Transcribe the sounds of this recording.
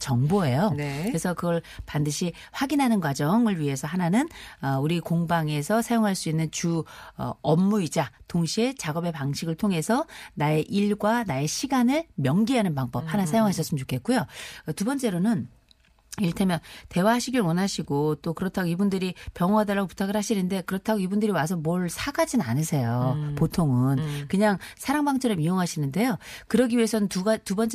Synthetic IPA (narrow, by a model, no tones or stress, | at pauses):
t͡ɕʌŋboe̞jonkkɯɾesʰʌkɯɡʌɭpandɯɕʰi | ɸwaɡinɦanɯnkwad͡ʑʌŋɯɭɥiɦe̞sʰʌɦananɯnʌuɾikoŋbaŋe̞sʰʌsʰajoŋɦaɭs͈uinːɯnt͡ɕuʌ̰ʌmːuid͡ʑatoŋɕʰie̞t͡ɕaɡʌbe̞paŋɕʰiɡɯɭtʰoŋɦe̞sʰʌnae̞ʔiɭɡwanae̞ɕʰiɡanɯɭmjʌŋɡiɦanɯnpaŋbʌp̚hanasʰajoŋɦaɕʰʌs͈ɯmt͡ɕokʰe̞t̚k͈ujotubʌnt͡ɕ͈e̞ɾonɯn | iɭtʰemjʌnte̞waɦaɕʰiɡiɾwʌnaɕʰiɡot͈okɯɾʌtʰaɡoibundɯɾipjʌŋwadɯɭːaɡopu̥tʰaɡɯɭhaɕʰinɯnde̞kɯɾʌtʰaɡoibundɯɾiwasʰʌmwʌɭsʰaɡad͡ʑina̰nɯsʰe̞jopotʰoŋɯnkɯɲaŋsʰaɾaŋbaŋt͡ɕʰʌɾɯmioŋɦaɕʰinɯnde̞jokɯɾʌɡiɥie̞sʰʌnɯntuɡatubʌnt͡ɕ͈